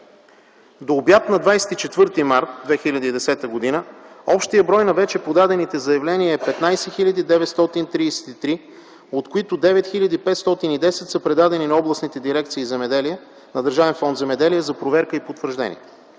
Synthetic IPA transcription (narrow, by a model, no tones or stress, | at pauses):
d̪oːbjat̪nɐd̪vajsɛ̥t̪it͡ʃɛt̪vɤɾt̪imaɾt̪̚d̪vɛxilʲɐd̪əid̪ɛsɛt̪əɡod̪inəɔpʃt̪ijəbɾɔjnɐvɛt͡ʃɛpod̪ad̪ɛnit̪ɛzɐjɐvlɛniəɛpɛt̪najsɛxilʎʲəd̪id̪ɛvɛt̪st̪ɔt̪int̪ɾisɛ̥t̪it̪ɾi | ot̪koit̪ʊd̪ɛvɛt̪xilʎʲɐd̪ipɛt̪st̪ɔt̪inid̪ɛsɛt̪səpɾɛd̪ad̪ɛninɐɔblˠəsnit̪ɛd̪iɾɛk̚t̪siːzɛmɛd̪ɛliɛ | nɐd̪əɾʒavɛnfɔnd̪zɛmɛd̪ɛliɛzɐpɾovɛɾkəipot̪vəɾʒd̪ɛ̰nʲḭɛ